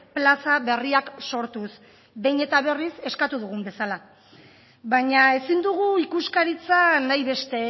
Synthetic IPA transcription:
plasaβe̞riakso̞ɾt̪us | be̞jɲe̞t̪aβ̞e̞rise̞skat̪uðuɣ̞umbe̞sala | βaɲae̞sind̪uɣ̞uikuskaɾit͡sanajβe̞st̪e̞

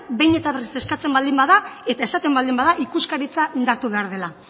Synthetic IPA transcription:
be̞jɲe̞t̪aβeriseskat͡se̞mbald̪imbaðae̞t̪ae̞sat̪e̞mbald̪imbaðaʔikuskaɾit͡saʔind̪aɾt̪uβeaɾð̞e̞la

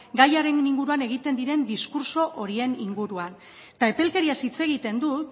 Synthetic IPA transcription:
ɡajaɾe̞ŋniŋɡuɾuane̞ɣ̞it̪e̞nd̪iɾe̞nd̪iskuɾso̞ʔo̞ɾie̞niŋɡuɾuan | t̪ae̞pe̞lke̞ɾiasit͡se̞ɣ̞it̪e̞nd̪ut̪

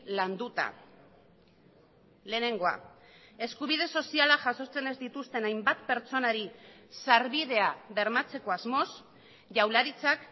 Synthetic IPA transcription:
land̪ut̪a̰ | le̞ːne̞ŋɡo̞a̰ | e̞skuβið̞e̞so̞sialaʝaso̞t͡se̞ne̞zd̪it̪ust̪e̞najmbat̪pe̞ɾt͡so̞naɾisaɾβið̞e̞aβe̞ɾmat͡se̞ko̞azmo̞s | ʝawlaɾit͡sak

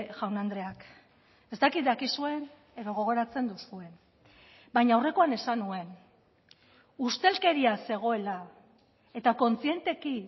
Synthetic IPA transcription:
ʝawnand̪ɾe̞ak | e̞st̪akit̪̚d̪akisue̞n | e̞ðo̞ɣ̞o̞ɣ̞o̞ɾat͡se̞nd̪usue̞n | bajɲaːwre̞ko̞ane̞sanue̞n | ust̪e̞lke̞ɾiase̞ɣ̞o̞e̞la | et̪ako̞nt͡sie̞nt̪e̞ki

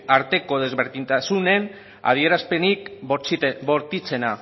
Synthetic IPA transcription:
aɾt̪e̞ko̞ðe̞zβeɾðint̪asune̞n | a̰ð̞ie̞ɾaspe̞nik | βo̞ɾt̪it͡se̞na

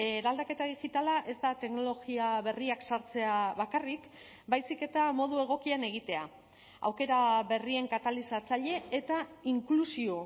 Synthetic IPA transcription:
eɾald̪ake̞t̪aðiɣit̪alaʔe̞zt̪at̪e̞kno̞lo̞ɣiaβe̞riaksaɾt͡se̞aβakarik | bajsike̞t̪amo̞ð̞ue̞ɣ̞o̞kiane̞ɣ̞it̪e̞a̰ | a̰wke̞ɾaβe̞rie̞ŋkat̪alisat͡saʎe̞ːt̪aiŋklusio̞

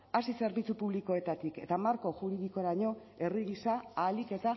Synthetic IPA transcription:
asise̞ɾβit͡supuβliko̞e̞t̪at̪ike̞t̪amaɾko̞ʝuɾiðiko̞ɾaɲo̞ | e̞riɣisaalike̞t̪a

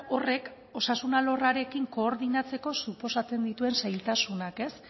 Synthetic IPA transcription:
o̞re̞k | o̞sasunalo̞raɾe̞kiŋko̞ːɾðinat͡se̞ko̞supo̞sat͡se̞nd̪it̪ue̞nsajlt̪asunake̞s

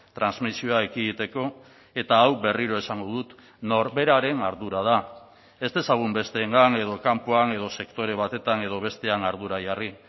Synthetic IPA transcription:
t̪ɾanzmisio̞aekiɣit̪e̞ko̞ | e̞t̪aːwβe̞riɾo̞e̞saŋɡoðut̪ | no̞ɾβe̞ɾaɾe̞naɾðuɾaða | e̞st̪e̞saɣ̞umbe̞st̪e̞ːŋɡane̞ð̞o̞kampoane̞ð̞o̞se̞kt̪o̞ɾe̞β̞at̪e̞t̪ane̞ð̞o̞β̞e̞st̪e̞anaɾðuɾaʝari

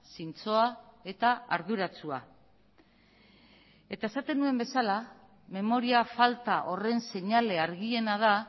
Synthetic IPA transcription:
sint͡so̞ae̞t̪aaɾð̞uɾat͡sua̰ | e̞t̪ae̞sat̪e̞nue̞mbe̞sala | me̞mo̞ɾiafalt̪aʔo̞re̞nse̞ɲale̞aɾɣie̞nað̞a

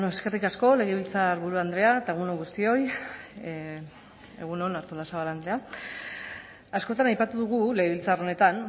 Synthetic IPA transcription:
noeske̞rikasko̞le̞ɣeβilt͡saɾβuɾuand̪ɾe̞aet̪aeɣ̞unoɣust̪io̞j | eɣ̞unonaɾt̪olasaβaland̪ɾe̞a | asko̞t̪anajpat̪uðuɣ̞ule̞ɣ̞eβilt͡saro̞ne̞t̪an

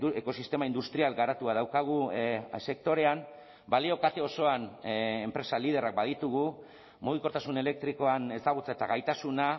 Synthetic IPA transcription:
eko̞sist̪e̞maind̪ust̪ɾialɡaɾat̪uað̞awkaɣ̞use̞k̚t̪o̞ɾe̞am | balio̞kat̪e̞o̞so̞anempɾe̞salið̞e̞rak̚baðit̪uɣu | moðiko̞ɾt̪asune̞le̞k̚t̪ɾiko̞ane̞sd̪aɣut͡saet̪aɣajt̪asuna

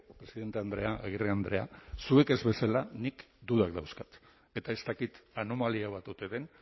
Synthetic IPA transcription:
pɾesiðe̞nt̪eand̪ɾe̞aʔaɣireand̪ɾe̞a̰sue̞ke̞zβe̞salanikd̪uðakd̪awskat̪ | e̞t̪ae̞st̪akit̪anomaliaβ̞at̪ut̪e̞ðe̞n

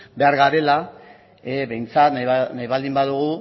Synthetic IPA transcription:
be̞aɾɣaɾe̞la | eβe̞jnt͡sat̪najβald̪imbaðuɣ̞u

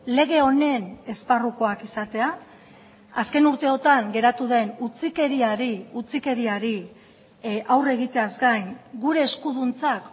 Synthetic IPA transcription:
le̞ɣe̞o̞ne̞ne̞sparuko̞akisat̪e̞a | aske̞nuɾt̪e̞o̞t̪aŋɡe̞ɾat̪uðe̞nut͡sike̞ɾiaɾiut͡sike̞ɾiaɾi | ʔawre̞ɣ̞it̪e̞azɡajŋɡuɾe̞ːskuðunt͡sak

